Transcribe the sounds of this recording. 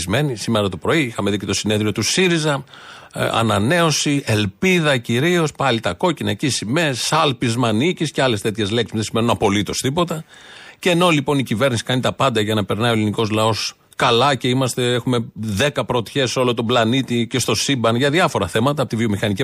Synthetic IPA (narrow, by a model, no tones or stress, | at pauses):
zme̞nisimeɾɐt̪opɾo̞iixɐme̞ðice̞t̪o̞sineðɾio̞t̪usiɾizɐ | ɐ̰nɐne̞o̞sie̞lpiðɐciɾio̞spɐlit̪ɐko̞cinɐcisimessɐlpizmɐnicisceɐle̞st̪e̞t̪çe̞zleksi̥sðesimenunɐpo̞lit̪o̞st̪ipo̞t̪ɐceːno̞lipo̞nicive̞ɾnisi̥kɐnit̪ɐpɐnd̪ɐʝɐnɐpe̞ɾnɐioliniko̞zlɐo̞s | kɐlɐce̞imɐst̪e̞exume̞ðe̞kɐpɾot̪çe̞sːeo̞lo̞t̪oblɐnit̪ice̞st̪o̞sibɐnʝɐðiɐfo̞ɾɐθe̞mɐt̪ɐpot̪ivio̞mixɐnici